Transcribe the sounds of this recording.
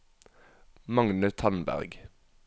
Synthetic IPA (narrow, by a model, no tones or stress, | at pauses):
mɑŋnʉt̪ʰɑnbæ̰ʁɡ